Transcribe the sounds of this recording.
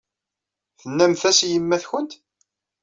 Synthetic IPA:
θənːæmθæsjəmːæθçənt̪

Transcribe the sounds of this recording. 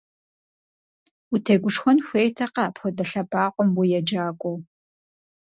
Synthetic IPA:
utʰeɡʷʊʂxʷɔnxʷeːjtʰɐqɐpxʷɔdɐɬɐbaːqʷʼɔmwujɛd͡ʒaːkʷʼɔw

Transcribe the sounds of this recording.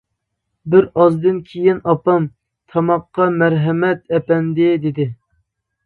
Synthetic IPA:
bɪɾɑzd̪ɨnkʲʰejinɑpɑm | t̪ʰɑmɑqːɑmæɾɦɛmɛt̪ɛpɛnd̪ɪd̪ɪd̪ɪ

